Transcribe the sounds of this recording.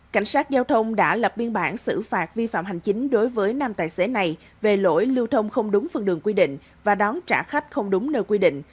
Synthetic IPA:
ka̰˧˩jŋ̟saː˦˥t̚zaː˧wt̪ʰə˧wŋ͡mɗa̰ː˧˥lə˨˩p̚ɓi˧ənɓaː˧˩nsɨ̰˧˩faː˨˩t̚vi˧fa̰ː˧˨mhɦa˨˩jŋ̟t͡ɕï˨˦ŋ̟ɗo˨˦jvəː˨˦jnaː˧mt̪aː˧˨jse˨˦na˨˩j | ve˨˩lo̰˧˥˩jlɨ˧wt̪ʰə˧wŋ͡mxə˧wŋ͡mɗʊ˨˦ŋ͡mfə˧˩nɗɨ˨˩əŋkwi˧ɗḭ̈˧˨ŋ̟ | vaː˨˩ɗɔ˨˦nt͡ɕa̰ː˧˩xa˦˥jk̟̚xə˧wŋ͡mɗʊ˨˦ŋ͡mnəː˧jkwi˧ɗḭ̈˧˨ŋ̟

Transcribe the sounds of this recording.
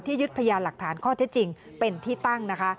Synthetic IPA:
t̪ʰiː˥˩ju˦˥t̪̚pʰa˧jaː˧la˨˩k̚t̪ʰaː˩˦nkʰɔː˥˩t̪ʰe˦˥t̪̚t͡ɕi˧ŋpe˧nt̪ʰiː˥˩t̪a˥˩ŋna˦˥kʰa˦˥

